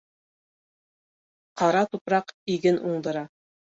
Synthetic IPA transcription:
qɑɾɑt̪upɾɑqiɡɘnʔuɴd̪ɤ̆ɾɑ

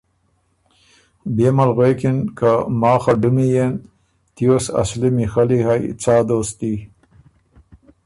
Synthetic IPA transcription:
beːmalɣwekinkamɑːxaɖumijen | t̪ijosa̰slimixaliɦajt͡sɑːd̪oːst̪i

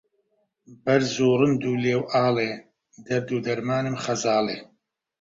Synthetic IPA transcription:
bɐɾzuːrɨnd̪uːleːwʔaːleː | d̪ɐɾd̪uːd̪ɐɾmaːnɨmχɐzaːleː

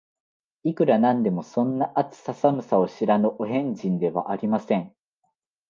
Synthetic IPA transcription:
ikɯ̟ɾanãnd̪e̞mo̞sõ̞nːaʔat͡sɨ̥sasamɯ̟sao̞ɕiɾanoʔoɦẽ̞ɲd͡ʑĩnd̪e̞βa̰ʔaɾʲimasẽ̞ŋ

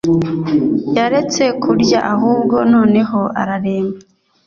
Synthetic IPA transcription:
jaɾe̞t͡se̞kʰuɾjaʔaɦuːbɡo̞no̞ːne̞ɦo̞a̰ɾaɾe̞ːmaa

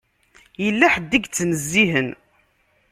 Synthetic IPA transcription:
jəlːæħəd̪ːiɡt͡sːnəzːiɦən

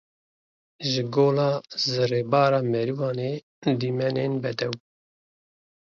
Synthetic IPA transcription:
ʒɨɡoːlɑːzɨreːbɑːɾɑːmɛɾiwɑːneː | d̪iːmɛnenbɛd̪ɛw

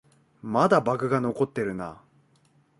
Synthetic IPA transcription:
mad̪abakɯ̟ɡano̞ko̞t̪ːe̞ɾɯ̟na̰

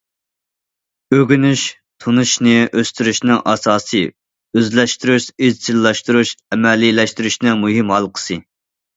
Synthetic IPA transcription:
øɡʲynyʃ | t̪ʰunuʃnɨʔøst̪yɾyʃnɪŋʔɑsɑːsɨ | øzlɛʃt̪yɾyʃizt͡ʃ̪ʰilːɑʃt̪uɾuʃɛmɛlːilɛʃt̪yɾyʃnɪŋmuɦimhɑlˠqʰə̥sɨ

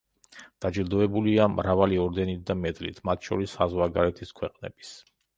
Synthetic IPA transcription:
d̪̥ad͡ʒiɾd̪ɔɛbuliamɾavaliɔɾd̪ɛnit̪̚d̪amɛd̪lḭt̪ʰmat̪ʰʃɔɾisazwaɡaɾɛt̪ʰiskʰwɛqʼnɛ̰bis

